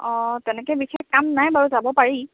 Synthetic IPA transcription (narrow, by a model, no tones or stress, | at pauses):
ɔ̃tɛnɛkɛbixexkamnajbaɹuzabɔpaɹi